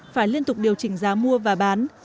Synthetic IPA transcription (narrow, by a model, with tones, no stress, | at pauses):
faː˧˩jli˧ənt̪ʊ˨˩k͡p̚ɗi˨˩əwt͡ɕï˧˩ŋ̟zaː˨˦mu˧əvaː˨˩ɓaː˨˦n